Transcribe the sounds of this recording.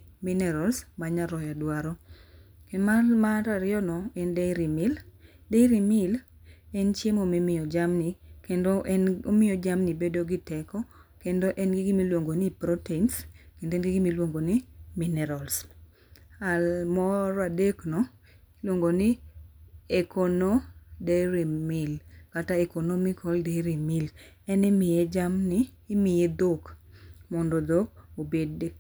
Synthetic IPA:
minɛɾalsmaɲaɾɔjadwaɾɔkemamaɾaɾɪɔnɔɛndeɾimɪldejɾimɪl | ɛnt͡ʃjemomimɪjɔd͡ʒamnikendoʔɛnomɪɔd͡ʒamnibedoɡɪtɛkɔkendoʔɛnɡɪɡimilwoŋɡonipɾotenskendoɛnɡɪɡimilwoŋɡonɪminɛɾals | amɔɾɔadeknɔ | lwoŋɡonɪ | ekonodeɾimɪlkataɛkonomikʰɔldeɾimil | ɛnɛmɪjɛd͡ʒamnɪː | mɪjed̪okmɔndod̪ok̚obed

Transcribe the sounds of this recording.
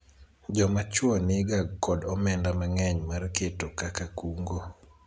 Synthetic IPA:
d͡ʒɔmat͡ʃwɔnɪɡaɡkɔdɔmɛndamaŋɛɲmarketokakakuŋɡo

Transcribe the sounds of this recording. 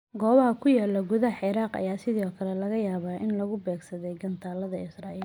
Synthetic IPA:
ɡɔːβɐhɐkʰʊjaːlːɔɡʊðɐħɪɾaːqɐ̰jaːsɪðɔːkʰɐlɛlɐɣɐjaːβaːʔɪnlɔɣʊbɛːɡsɐðɛjɡɐnt̪ʰaːlɐðɐɪsraːʔiːl

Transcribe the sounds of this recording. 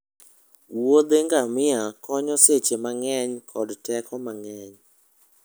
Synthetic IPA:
wod̪eŋɡamɪakɔɲɔset͡ʃemaŋɛɲkʰɔdtɛkɔmaŋɛɲ

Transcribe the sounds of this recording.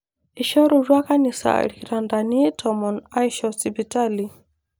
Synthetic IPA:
iʃɔɾuɾwakanisa̰ɾikiɾandanitʰɔmɔnajʃɔsibitali

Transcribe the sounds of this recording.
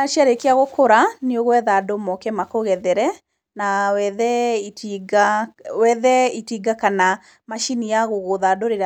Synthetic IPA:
aʃaɾekeaɣokoɾaneoɣwɛðadomɔkɛmakoɣɛðɛɾɛ | nawɛðɛitiɡawɛðɛitiɡakana | maʃinijaɣoɣoðadoɾeɾa

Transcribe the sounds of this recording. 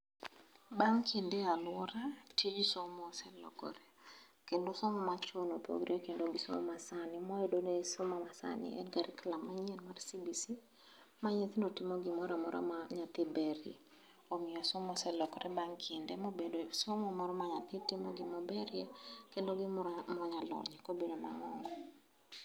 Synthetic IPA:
baŋkʰindɛalwɔɾatid͡ʒsomɔsɛlɔ̰kɔ̰ɾɛ | kendosɔmɔmat͡ʃonopo̰ɡɾiekendoɡiso̰mɔ̰masanɪmɔɛdonesomamasa̰nɪ̰ɛ̰nɡaɾiklamaɲɛnmarsibisi | maɲit̪inotimoɡimɔɾɔmɔɾʔɔ̰maɲat̪ɪbɛɾjɛ̰ | omɪɔsomɔsɛlɔkɔɾʔɛbaŋkʰɪndɛmobedosomɔmɔɾɔmaɲat̪ɪtɪmɔɡimɔbɛɾjɛkendoɡimɔɲalɔ̰ɲɛkobedoma̰ŋɔŋɡɔ

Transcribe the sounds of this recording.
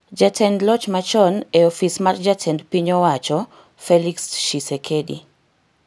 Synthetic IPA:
d͡ʒatɛndlɔt͡ʃmat͡ʃɔnɛɔfismard͡ʒatʰɛndpiɲɔwat͡ʃɔ | feliksʃisekʰedḭ

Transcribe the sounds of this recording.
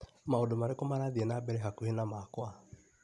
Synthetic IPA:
maondomaɾekɔmaɾaðiɛnabɛɾɛɦakuhenamakwa

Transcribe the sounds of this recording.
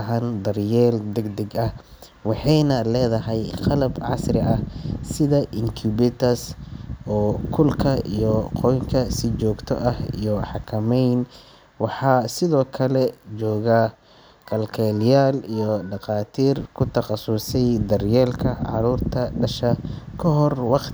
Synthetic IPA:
ɐɦɐnd̪ɐrjɛːld̪ɛɡd̪ɛɡɐh | wɑħɑjnɐlɛːðɐɦɛjqɑlɐbʕɑ̰srɪʔɐhsɪðɐʔɪŋkʰubɪt̪ʰɐsɔːkʰʊlkʰɐḭjɔqʰɔjŋkʰɐsɪt͡ʃɔːɡt̪ʰɔ̰ʔɐhḭjɔħɑkʰɐmɛjn | wɑħɑːsɪðɔːkʰɐlɛt͡ʃɔːɣa | kʰɐlkʰɛːljaːlijɔɖɑqɑːt̪ʰiːrkʰʊt̪ʰɐχɑsʊsɛjd̪ɐrjɛːlkʰɐʕɑ̰ɾuːrt̪ʰɐɖɐʃɐkʰɔɦɔrwɑqt̪

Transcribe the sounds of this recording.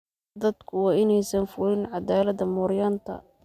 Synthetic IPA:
d̪ɐd̪kʰʊwɑːɪnɛjsɐnfʊɾɪnʕɑd̪aːlɐðɐmʊɾjant̪ʰɐ̰

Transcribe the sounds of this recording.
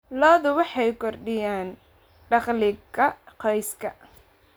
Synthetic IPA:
lɔːðʊwɑħɑjkʰɔrɖɪjaːn | ɖɑχlɪɡɐqɛjskʰɐ

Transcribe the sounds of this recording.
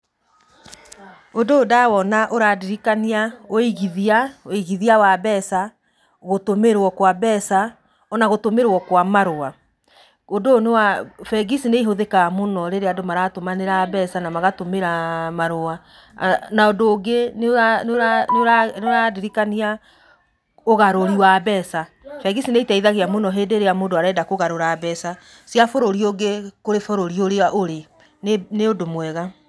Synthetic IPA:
odoːdawɔnaʔoɾadiɾikaniaoiɣiðiaoiɣiðiawabɛsa | ɣotomeɾwɔkwabɛsa | ɔnaɣotomeɾwɔkwamaɾoa | odonewafɛɡisineiɦoðekamonɔɾeɾeadomaɾatomaneɾabɛsanamaɣatomeɾamaɾoa | naodoːɡeneanɾanoɾanoɾadiɾikania | oɣaɾoɾiwabɛsa | fɛɡisineitɛiðaɣeamonɔɦeːdeɾejamoːndoaɾɛːdakoɣaɾoɾaːbɛsa | siafoɾoɾioɡekoɾefoɾoɾioɾeaʔoɾe | neneodomwɛɣa

